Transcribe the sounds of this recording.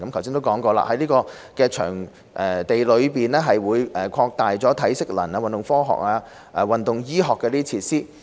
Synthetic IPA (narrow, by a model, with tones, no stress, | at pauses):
kɐ˨˥mkʰɐ˨˩wsiː˥nt̪o˥wkɔː˨˥ŋkɔː˧la̰˧˩hɐ˨˥jliː˥kɔː˧kɛː˧t͡ʃʰœ̰ː˨˩ŋ | ʔɛ˨t̪e˨jlɵ˨˧ɥpiː˨nɛː˥ɦɐ˨jwuː˨˧jʔɛː˨˩kʷʰɔː˧k̚t̪aː˨jt͡sɔː˨˥t̪ʰɐ˨˥jsɪ˥k̚lɐ̰˨˩naː˧wɐ˨nt̪ʊ˨ŋfɔː˥ɦɔ̰ː˨k̚aː˧ | ʔɛ˨wɐ˨nt̪ʊ˨ŋjiː˥ɦɔː˨kːɛː˧liː˥t͡sʰiː˧t̚siː˥